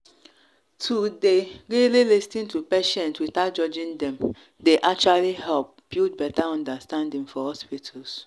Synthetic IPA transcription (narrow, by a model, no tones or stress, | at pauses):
tʰudeɹililistĩntupeʃɛ̃ntwitat̚d͡ʒɔd͡ʒĩndɛ̃m | deʔak̚t͡ʃualihɛlp̚but̚bɛtaɔ̃ndastãndĩŋfɔhɔspitʰas